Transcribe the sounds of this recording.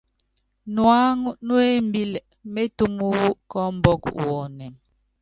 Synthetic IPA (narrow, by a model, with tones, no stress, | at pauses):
nwa˦ŋ˦nwe˦m˦bi˦l | me˦tu˦mu˦wu˦ʔkɔ˦m̩˦bɔ˦kwɔ˨nɛ˨ŋ